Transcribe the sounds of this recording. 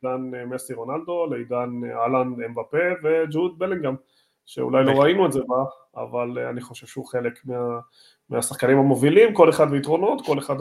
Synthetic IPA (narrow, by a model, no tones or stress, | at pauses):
danmesiʁo̞nald̪o̞lejdanalanembape̞ve̞d͡ʒud̪̚beliŋɡam | ʃe̞̰ṵlajlo̞ʁainuetzeba | a̰valaniχo̞ʃevʃeuχelekmea | measaχkanimhamo̞vilimko̞le̞χad̪meitʁo̞no̞t̪ko̞le̞χad